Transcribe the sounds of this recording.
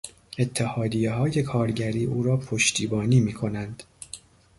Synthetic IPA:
e̞t̪ʰːehɒːd̪ijeɦɒːje̞kʰɒːɾɟæɾiːʔuːɾɒːpʰo̞ʃt̪ʰiːbɒːniːmiːkʰo̞nænd̪̥

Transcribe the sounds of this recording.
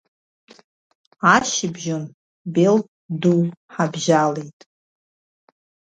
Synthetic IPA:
aʃɪbʒon | bel | duwħabʒalejtʼ

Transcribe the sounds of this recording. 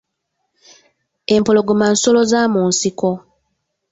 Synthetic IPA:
e̞mpoloɡomansolo̞zaːmuːnsiko

